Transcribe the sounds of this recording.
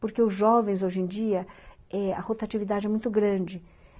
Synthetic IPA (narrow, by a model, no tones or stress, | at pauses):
poɾkeʊzʒɔvẽj̃zoʒẽd͡ʒiɐ | ɛɐ̰hot̪at͡ʃivid̪ad͡ʒɪɛmũj̃t̪ʊɡɾɐ̃d͡ʒɪ